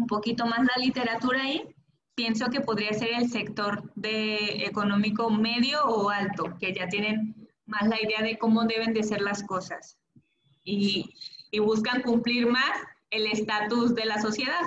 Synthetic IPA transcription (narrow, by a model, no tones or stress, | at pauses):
umpo̞kit̪o̞mazlalit̪e̞ɾat̪uɾaːi | pje̞nso̞ke̞po̞ð̞ɾiase̞ɾe̞lse̞kt̪o̞ɾd̪eeko̞nõ̞miko̞me̞ðjo̞ːalt̪o̞ke̞ʝat̪je̞nẽ̞n | mazlaiðe̞aðe̞ko̞mo̞ðe̞βe̞nd̪ese̞ɾlasko̞sas | iː | βuskaŋkumpliɾmas | e̞le̞st̪at̪uzðe̞laso̞sje̞ðað